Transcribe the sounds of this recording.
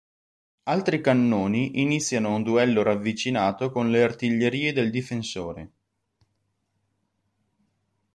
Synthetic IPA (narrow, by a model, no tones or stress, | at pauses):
alt̪ɾikanːoːniʔinit̪sːjanound̪uɛlːoɾavːit͡ʃinaːt̪okonleart̪iʎːeɾiːed̪eld̪ifensoːɾḛ